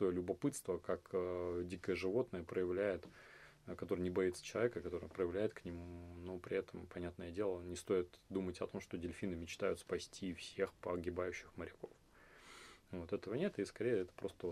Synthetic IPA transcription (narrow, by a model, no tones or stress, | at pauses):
t̪ojlʲʊbɐpɨt̪st̪vəkakədʲikəjəʐɨvo̞t̪nəjəpɾəjɪvlʲæjɪt̪ | kɐt̪o̞ɾɨnʲɪbɐit̪sə̥t͡ɕɪlˠɐvʲekəkɐt̪o̞ɾɨjpɾəjɪvlʲæjɪt̪knʲɪmunopɾʲɪɛt̪ʰəmpɐnʲat̪nəjədʲe̞lˠənʲɪst̪o̞ɪt̪d̪umətʲɐt̪o̞mʂt̪o̞dʲɪlʲfʲinɨmʲɪt͡ɕt̪ajʊt̪spɐsʲtʲifsʲe̞xpəɐɡʲɪbajʉɕːɪxməɾʲɪko̞f | vo̞t̪ɛt̪əvənʲe̞t̪ɨiskɐɾʲejəɛt̪ə̥pɾo̞st̪ə